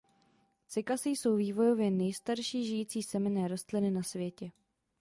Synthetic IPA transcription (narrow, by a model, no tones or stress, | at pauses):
t͡sɪkasijso̞wviːvo̞jo̞vjɛnɛjst̪aɾʃiːʒɪjiːt͡siːsɛmɪnɛːɾo̞st̪lɪnɪnasvjɛcɛ